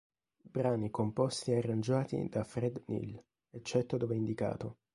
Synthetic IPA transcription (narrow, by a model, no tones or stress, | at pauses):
bɾaːnikompɔst̪iarːand͡ʒaːt̪ḭd̪afɾɛd̪nḭl | et͡ʃːɛt̪ːod̪oːveind̪ika̰ːt̪o